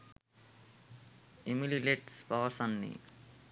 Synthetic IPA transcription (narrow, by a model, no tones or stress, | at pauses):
imilileʈspaʋəsanːḭ